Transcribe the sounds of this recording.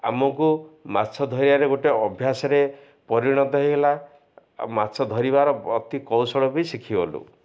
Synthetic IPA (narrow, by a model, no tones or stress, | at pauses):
a̰mɔkumatːsʰɔd̪ʱɔɾibaɾeɡoʈeɔbʱjasɔɾe | pɔɾiɽ̃ɔd̪ɔɦeɦela | matːsʰɔd̪ʱɔɾibaɾɔɔt̪ikɔwsɔɭɔbeisikʰibɔlṵ